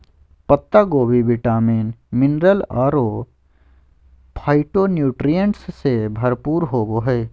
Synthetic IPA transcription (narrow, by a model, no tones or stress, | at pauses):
pət̪ːaɡoːbʱiʋɪʈaːmiːnmɪnɾəlaːɾo | pʰaːɪʈonjuːʈɾijəɳʈsːebʱɐɾpuːɾɦoːboɦɛ